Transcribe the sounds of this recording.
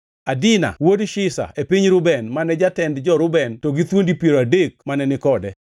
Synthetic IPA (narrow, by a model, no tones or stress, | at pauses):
adɪna̰wodʃɪsa̰epiɲɾʊbɛnmanɛd͡ʒatɛndd͡ʒɔɾʊbɛntoɡit̪wondipieɾoadek̚manɛnɪkɔdɛ